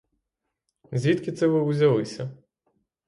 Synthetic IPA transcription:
zʲʋʲit̪kɪt̪sɛʋɪuzʲɐlˠɪsʲɐ

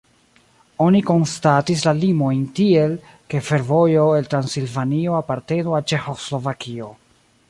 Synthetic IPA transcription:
o̞niko̞nstatis̬lalimo̞jntie̞l | ke̞fe̞ɾvo̞jo̞e̞ltɾansilvanio̞apaɾte̞nualt͡ʃe̞xo̞slo̞vakʰio̞

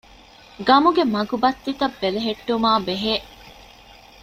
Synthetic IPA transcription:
ɡɐmuɡemɐɡubɐt̪ːit̪ɐbːeleɦeʈːumaːbeɦeː

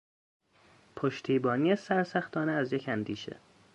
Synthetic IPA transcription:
pʰoʃt̪ʰiːbɒːniːesæɾsæxt̪ʰɒːneæzjecʰænd̪iːʃḛ

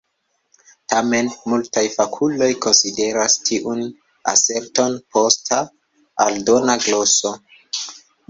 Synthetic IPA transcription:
tame̞nmultajfakʰulo̞jko̞nside̞ɾastʰiʔun | a̰se̞ɾto̞npʰo̞staː | ldo̞naɡlo̞so̞

